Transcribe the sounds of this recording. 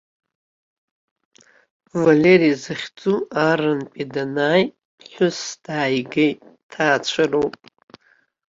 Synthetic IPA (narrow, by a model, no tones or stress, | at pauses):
valeɾizɨχʲd͡zuaɾɨnpʲʼidanaj | ħʷʊsd̥aːjɡejtʼtʰaːt͡ɕʷʰarowpʼ